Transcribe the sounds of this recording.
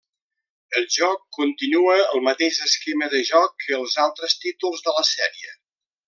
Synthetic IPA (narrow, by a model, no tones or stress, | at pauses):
əlˠʒɔkːunt̪inuəəlˠmət̪eʃəskeməðəʒɔkəːlˠzalˠt̪ɾəst̪it̪ulˠzðələsɛɾiə